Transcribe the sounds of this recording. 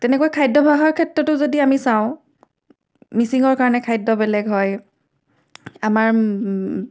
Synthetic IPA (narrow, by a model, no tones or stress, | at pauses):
tɛnɛkuajkʰajdɔbʱaɦɔɹkʰɛtɹɔtʊzodiamisãʊ̃ | misiŋɔɹkaɹɔnɛkʰajdːɔbɛlɛɡɦɔj | amaɹ